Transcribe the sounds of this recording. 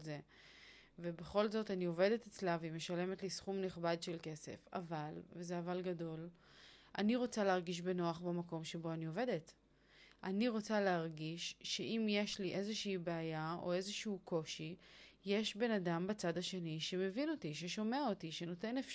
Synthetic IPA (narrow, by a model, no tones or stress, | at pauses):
ze | vebe̞χo̞lzo̞tanio̞ve̞det̪et͡slavime̞ʃale̞me̞tlisχumneχbadʃe̞lke̞se̞̰fa̰valvezeavalɡado̞l | ʔa̰niʁo̞t͡saleɦaʁɡiʃ̬be̞noaχbamako̞mʃe̞bo̞anio̞ve̞de̞t | ʔaniʁo̞t͡saleaʁɡiʃːe̞ʔimje̞ʃliʔe̞zeʃiːbeajao̞̰e̞zeʃuukʰo̞ʃije̞ʃbe̞nadambat͡sadaʃe̞niʃe̞me̞vino̞tiʃe̞ʃo̞meaotiʃe̞no̞te̞nef